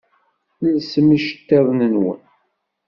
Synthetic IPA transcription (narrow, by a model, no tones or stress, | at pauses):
nilsəmiʃə̥t̪ːeðˤnənwə̰n